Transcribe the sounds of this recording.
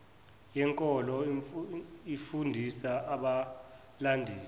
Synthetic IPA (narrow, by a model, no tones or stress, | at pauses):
jɛŋkʼɔlɔ | ifundʱisaaɓa | landʱɛːl